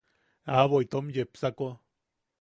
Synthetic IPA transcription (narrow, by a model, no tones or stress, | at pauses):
aβojt̪omjepsako